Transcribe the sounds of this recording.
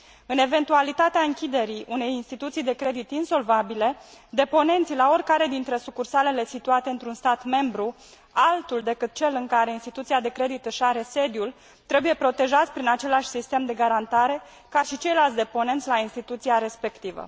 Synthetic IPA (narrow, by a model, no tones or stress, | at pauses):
ɨne̞ve̞nt̪ualit̪at̪eaɨŋkʲid̪e̞ɾiʔune̞jinst̪it̪ut̪sijd̪e̞kɾe̞d̪it̪inso̞lvabile̞d̪e̞po̞ne̞nt̪silao̞rʲkaɾe̞d̪int̪ɾe̞sukursale̞le̞sit̪uat̪e̞ɨnt̪ɾunst̪at̪me̞mbɾu | alt̪uld̪e̞kɨt̪̚t͡ʃe̞lɨŋkaɾe̞inst̪it̪ut̪siad̪e̞kɾe̞d̪it̪ɨʃaɾe̞se̞d̪jul | t̪ɾe̞buje̞pɾo̞t̪e̞ʒat̪sʲpɾinat͡ʃe̞laʃʲsist̪e̞md̪e̞ɡaɾant̪aɾe̞ | kaʃit͡ʃe̞jlalt̪sʲd̪e̞po̞ne̞nt̪sʲlainst̪it̪ut̪siaɾe̞spe̞kt̪ivə̰